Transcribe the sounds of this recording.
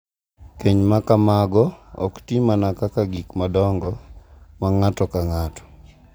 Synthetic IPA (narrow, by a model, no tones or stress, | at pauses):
keɲmakamaɡɔɔ̰ktimanakakaɡikmadɔŋɡɔmaŋatɔkaŋatɔ̥